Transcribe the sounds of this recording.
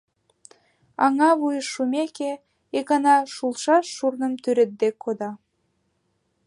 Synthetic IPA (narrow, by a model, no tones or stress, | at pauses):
ɑŋɑβujəʃːumʲeke | ekɑnɑʃulʃɑʃːurnə̆mt̪yɾet̪̚d̪ekʰːod̪ɑ